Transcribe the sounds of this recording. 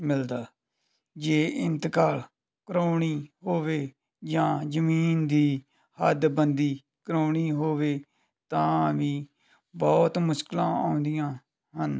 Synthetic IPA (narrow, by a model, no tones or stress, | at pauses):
mɪld̪aː | d͡ʒeːɪnt̪kaːl | kɾoːɳ̃iːɦoːʋeː | d͡ʒãːd͡ʒəmiːnd̪iː | həd̪bənd̪iː | kəɾoːɳ̃iːɦoːʋeː | t̪ãːʋiː | bɔːt̪mʊʃklã̰ːa̰ːʊ̃nd̪ɪjãː | ɦən